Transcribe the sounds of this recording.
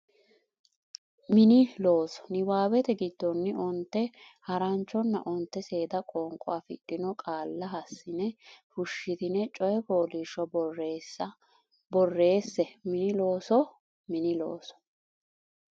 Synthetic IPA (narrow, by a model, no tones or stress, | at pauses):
mɪnɪlo̞ːsɔ̥nɪwaːbɛt̪ɛɡɪd̪ːɔnːɪɔnt̪ːɛhɐɾɐnt͡ʃːɔnːɐ̰ʔɔnt̪ːɛse̞ːd̪ɐkʼɔːŋkʼɔafɪ̰ɗːɪnɔkʼaːlːɐɦɐsːɪnɛfʊʃːɪt̪ɪnɛt͡ʃʼɔjɛpo̞ːliːʃɔbresɐ | bɔrːe̞ːsːɛmɪnɪloːsɔ | mɪnɪlo̰ːsɔ̥